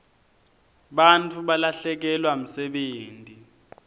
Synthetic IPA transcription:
ɓant͡fʰuɓalaɬɛk̬ɛlwam̩sɛɓeːntʼi

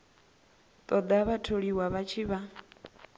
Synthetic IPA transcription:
t̪ʼɔd̪aβatʰoɺiwaβat͡ʃʰiβa

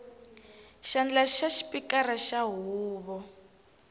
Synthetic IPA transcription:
ʃand͡ɮaʃaʃi̥pikaɾaʃaɦuːβɔ

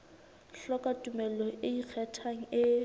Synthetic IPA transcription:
ɬɔkatʼumɛlɔʔɪik͡xʰɛtʰaŋ̩ɪ

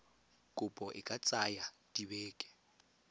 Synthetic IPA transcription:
kʼʊpʼɔʔɪ̰kʼat͡sʼajad̥ibɛːkʼɛ̥

